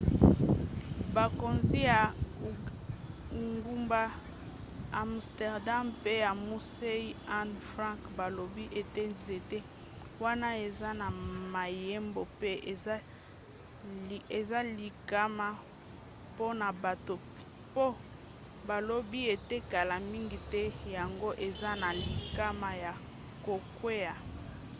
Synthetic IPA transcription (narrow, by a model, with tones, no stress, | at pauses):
ba˨ko˨nzi˦ja˨ | ŋɡu˦mba˦ | a˨mstɛ˨ʁda˦mpe˦ja˨mu˦se˦i˦a˦nfʁã˦ŋkba˨lo˨bi˦ʔe˨te˦nze˨te˦ | wa˦na˦e˨za˦na˨ma˨je˦mbo˨pe˦e˨a˦˨ | e˨za˦li˨ka˦ma˦ | po˦na˨ba˨to˨ | po˦ | ba˨lo˦bi˦e˨te˦ka˨la˨mi˦ŋɡi˨tɛ˦ja˨ŋɡo˦ʔe˨za˦na˨li˨ka˦ma˨ja˨ | ko˨kwe˦ja˨